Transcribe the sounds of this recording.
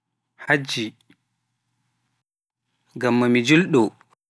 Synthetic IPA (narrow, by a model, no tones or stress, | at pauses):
had͡ʒːi | ɡamːamid͡ʒilɗɔ